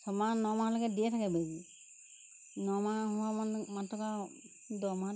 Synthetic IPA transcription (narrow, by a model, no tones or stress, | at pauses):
sɔmanɔmalɔɡɛdijɛtʰakɛbad͡ʒi | nɔmaɦɔwamɔnmatːɔka | d̪ɔma